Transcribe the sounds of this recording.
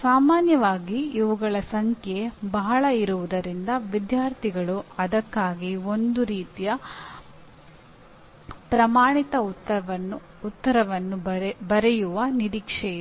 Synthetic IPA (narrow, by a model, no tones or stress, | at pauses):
saːmaːnjɐʋaːɡiːʋuɡɐɭɐsɐŋkʰebɐɦɐɭɐiɾuʋud̪ɐɾind̪ɐʋid̪jaːɾt̪ʰiɡɐɭuɐd̪ɐkːaːɡio̞nd̪uɾiːt̪ijɐ | pɾɐmaːɳit̪ɐɐɐ | ut̪ːɐɾɐʋɐnːubɐɾɛjuʋɐniɾiːkʂɛjɐ